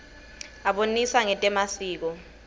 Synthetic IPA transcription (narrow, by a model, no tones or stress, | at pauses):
aɓoniswaŋɛtʼɛmasiːk̬ɔ